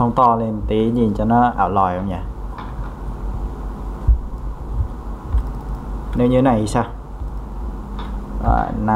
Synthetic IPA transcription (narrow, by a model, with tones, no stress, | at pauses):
ɔ˧˦ŋ͡mt̪ɔː˧le˧˩nt̪i˨˦ɲi˨˩nt͡ɕa˧˩nɔ˦˥ʔa̰ː˨˩lɔː˧˩jo˧˦ŋɲa˧˩ | ne˨˦˥ɲɨ˧˦na˧˩ʔi˧˦saː˧˩ | a̰ː˧˩na˧